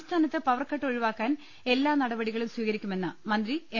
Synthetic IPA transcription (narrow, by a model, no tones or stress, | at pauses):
st̪ʰaːnɐt̪ːɨpɐʋɐrkːɐʈːo̞ɻiʋaːkːaːn | e̞lːaːnɐɽɐbɐɽiɣɐɭimsʋiːɣɐɾikʲːume̞nːɨmɐnd̪rie